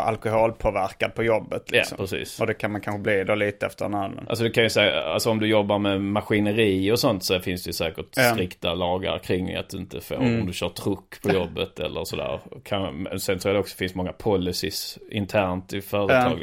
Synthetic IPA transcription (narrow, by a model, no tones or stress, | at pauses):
a̰lkʊhoːlpʰoːvæɾkad̪̚pʰɔjɔbːət̪ʰlj̰ɔ̰mpʰɾɛsḭːsɔd̪ɛkʰanmankʰanɧəbliːd̪ɛliːt̪əɛft̪əɾnɑlə̰nʔa̰lsɔd̪ɛkʰanjʉsɛːa̰lsɔɔmd̪ɵjɔbːaɾmɛmaɧɪnəɾiːɔsɔnt̪sɔæɾfɪnsd̪ɛjʉsɛːkəʈt̪ɾɪkt̪alɑːɡa̰ɾkʰɾɪŋ̰ːa̰t̪̚d̪ɵɪnt̪əfo̰ːɾɔmd̪ɵɕœːt̪ʰɾɵkːpʰɔjɔbːət̪ɛ̰lːʔəɾsɔd̪æ̰ːɾkʰanm̰sɛnt̪ʰɾʊɛlɔksɔfɪnst̪mɔŋːapʰɔlːɪsɪsɪnt̪ʰæːɾnt̪ɪfœːɾət̪ʰɑːɡl